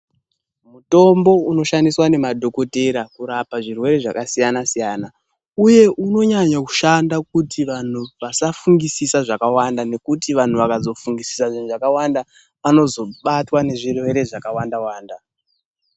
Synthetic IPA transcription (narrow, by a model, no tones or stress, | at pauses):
muto̞mbo̞uno̞ʃandiswane̞madʱo̞ko̞teɾakuɾapaʐirwe̞ɾe̞ʐakasijanasijaːna | uje̞ʔuno̞ɲaɲaku̥ʃandak̚utiʋan̤uʋasafuŋɡisisaʐakawandane̞kutiʋan̤uʋakazo̞fuŋɡisi̥saʐin̤uʐakawanda | ano̞zo̞ɓatwane̞ʐirwe̞ɾe̞ʐakawandawaːnda